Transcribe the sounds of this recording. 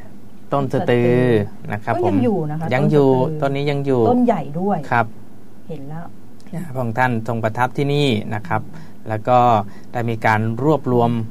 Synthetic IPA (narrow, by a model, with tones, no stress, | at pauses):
t̪o˥˩nsa˧t̪ɯː˧ | na̰˦˥kʰɾa˦˥pʰːo˧˩˦juː˨˩na˦˥˦ja˧ŋjuː˨˩t̪o˧˥˨nːiː˦˥ja˧ŋjuː˨˩˥nja˨˩jdu˥˩əjkʰa˦˥p̚ | he˩˦nlɛ˦˥w | a˧pʰɔː˧˩ŋt̪ʰa˥˩nso˧ŋpa˧t̪ʰa˦˥p̚t̪ʰiː˥˩niː˥˩na˦˥kʰa˦˥p̚ | lɛː˦˥wkɔː˥˩ | d̥aː˥˩jmiː˧kaː˧nɾu˥˩əp̚ɾu˧əm